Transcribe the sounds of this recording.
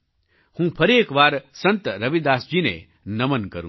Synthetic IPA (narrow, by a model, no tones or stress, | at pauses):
hũːpʰɐɾeːkʋaːɾsɐ̃nt̪ɾɐʋid̪aːsd͡ʒiːnḛ | nɐmənkɐɾṵ̃